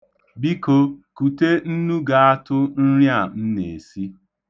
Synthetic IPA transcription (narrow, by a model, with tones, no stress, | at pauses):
bi˦ko˦ku˨te˦n̩˦nu˦ɡa˨a˦tʊ˦n̩˦ɾja˦˨n̩˦ne˨si˦